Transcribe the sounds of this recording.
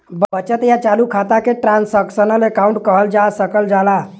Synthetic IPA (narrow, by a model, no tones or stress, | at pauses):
bət͡ʃət̪jat͡ʃalukʰat̪akeʈɾansəksənəlekaũɳʈkəɦəld͡ʒasəkəld͡ʒala